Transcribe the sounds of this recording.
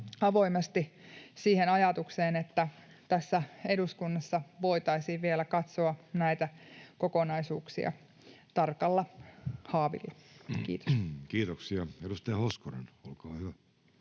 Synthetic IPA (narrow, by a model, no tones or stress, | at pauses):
ɑʋo̞imest̪isiːhenɑjɑt̪ukseːnet̪ːæ | t̪æsːæeduskunːɑsːɑʋo̞it̪ɑisiːʋʋielækɑt̪soɑnæit̪ækokonɑisuːksḭɑ̰ | t̪ɑrkɑlːɑhɑːʋḭlːɑkḭːt̪o̥kiːt̪oksiɑedust̪ɑjɑhoskorḛnolkɑːhyʋæ